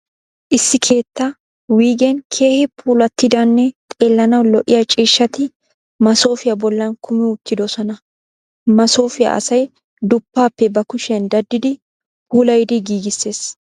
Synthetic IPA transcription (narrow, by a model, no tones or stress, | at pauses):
ʔɪsːɪkʰe̞ːt̪ːɐ | wiːɡɛnkʰe̞ːhɪpʰuːlɐt̪ːɪd̪ɐnːɛt̪ʼeːlːɐnɐwlɔʔːɪjɐt͡ʃʼiːʃːɐt̪ɪ | mɐso̞ːfɪjɐbɔlːɐnkʰʊmɪʊt̪ːɪd̪ɔsɔnɐ | mɐso̞ːfɪjɐ̰ʔɐ̰sɐj | d̪ʊpːaːpːɛbɐkʊʃɛnd̪ɐd̪ːɪd̪ɪ | pʰuːlɐjd̪ɪɡiːɡɪsːe̞ːs